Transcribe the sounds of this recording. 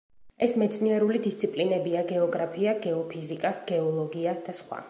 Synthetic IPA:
ɛsmɛt̪sʰʼniɛɾulid̪ist̪sʰipʼlinɛbiaɡɛɔɡɾapʰiaɡɛɔpʰizikʼaɡ̥ɛɔlˠɔɡiad̪̥asχwa̰

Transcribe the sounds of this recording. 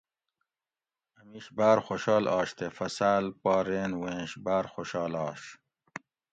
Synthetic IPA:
ɐmiʃbaːɾxoɕɑːlʔɑːʃt̪efɐsaːlpɑːɾeːnwẽːʃbaːɾxoɕɑːlɑːɕ

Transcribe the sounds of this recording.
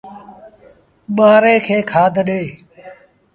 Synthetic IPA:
ɓaːɾeːkʰeːkʰaːd̪ʱɗeː

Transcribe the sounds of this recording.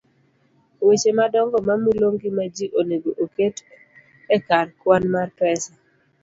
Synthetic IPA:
wet͡ʃemadɔŋɡɔmamiloŋɡimad͡ʒiʔoneɡoʔoket | ɛkarkwanmarpɛsa

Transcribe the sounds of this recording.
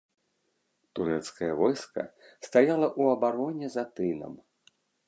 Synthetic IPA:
t̪uɾɛt̪skɐjɐvɔjskɐ̰ | st̪ajalˠɐʔuɐbaɾɔnʲɛzat̪ɨnɐ̰m

